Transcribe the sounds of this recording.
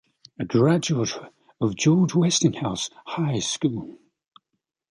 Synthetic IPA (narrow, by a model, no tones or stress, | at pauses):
əɡɹad͡ʒʉətə | əvd͡ʒɔːd͡ʒwɛstɪ̃ŋhaʊshaɪskuːlˠ